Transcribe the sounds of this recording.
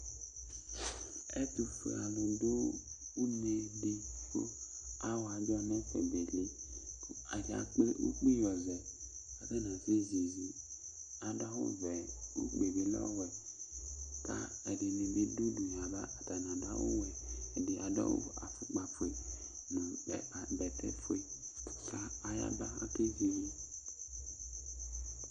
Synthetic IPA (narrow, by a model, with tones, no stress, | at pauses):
ɛ̰˦tu˨fḛ˨a˨lo˨do˦u˦me˨di˦ko˦a˦wa˨d͡ʒɔ˧mɛ˦fɛ̰˨be˨le˦ | a˨da̰˨˦k͡pe˦ʔu˦k͡pi˦jɔ˨zɛ˨a˨kɛ˦na˨ze˦ze˨zi˦ | a˨da˦ṵ˦vɛ˨u˦k͡pe˨be˨lɔ̰˦˨wɛ˨ | ka̰˦ɛ˨di˨ne˨be˦du˦du˨ɲ˨a˨ba̰˦a˨ta˨na˨da̰˦ṵ˦wɛː˨di˨ʔa˨dɔ̰˦ṵ˦˨a̰˨fu˨k͡pa˨fu˨e˨ | na˨bɛ˨tɛ̰˦fu˦e˨kaː˦˨ja̰˦ba˦a̰˦ke˦zi˨li˦